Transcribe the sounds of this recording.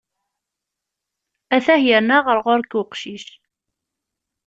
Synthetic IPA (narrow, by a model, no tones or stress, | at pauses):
æθæhjəɾnaʁəɾʁʊɾkʊqʃiʃ